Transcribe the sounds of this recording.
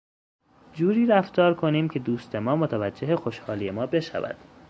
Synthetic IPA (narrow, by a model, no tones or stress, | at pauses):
d͡ʒuːɾiːɾæft̪ɒːɾkʰo̞niːmcʰe̞d̪uːst̪ʰe̞mɒːmot̪ʰævæd͡ʒːe̞ɦexoʃhɒːliːemɒːbeʃæ̰væ̰d̪̥